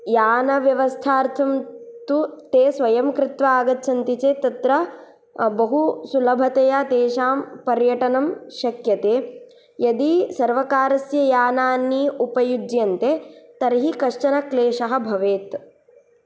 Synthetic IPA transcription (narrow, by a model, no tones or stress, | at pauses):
jaːnɐʋjɐʋɐst̪ʰaːɾt̪ʰɐmt̪ut̪eːsʋɐjɐmkɾɪt̪ʋaːɡɐtːt͡ʃʰɐnt̪it͡ʃeːt̪ɐt̪ɾɐ | bɐɦusulɐbʱɐt̪ɐjat̪eːʃaːmpɐɾjɐʈɐnɐmʃɐkjɐt̪eː | jɐd̪isɐɾʋɐkaːɾɐsjɐjaːnaːnːiupɐjud͡ʒjɐnt̪et̪ɐɾɦikɐʂt͡ʃɐnɐkleːʂɐɦɐ̆bʱɐʋeːt̪